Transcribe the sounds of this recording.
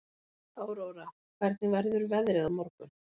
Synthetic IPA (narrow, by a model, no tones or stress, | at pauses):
aːwɾoːwɾa | kʰv̥ɛɾ̥t̪nɪvaɾðʏɾʏvɛðɾɛɣaðmɔɾkʏ